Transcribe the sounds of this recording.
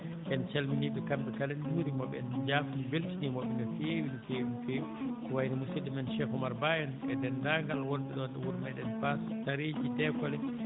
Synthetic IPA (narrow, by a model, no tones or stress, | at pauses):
ʔɛnt͡ʃalminiɓɛkambɛkalɛnduɾimɔɓɛɛ̰nd͡ʒaːfinbeltinimɔɓɛnɛfewinfeːwifeukɔwajnimusidimɛnʃɛkɔmaɾbajɛnɛdɛndaŋɡalwɔnɓɛɗɔnɗɛwuɾmaɗɛnfastaɾed͡ʒidɛkɔlɛ